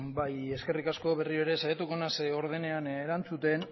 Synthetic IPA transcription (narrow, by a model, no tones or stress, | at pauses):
baje̞ske̞rikasko̞βe̞rioeɾe̞sajat̪uko̞naseo̞ɾðe̞ne̞aneɾant͡sut̪e̞n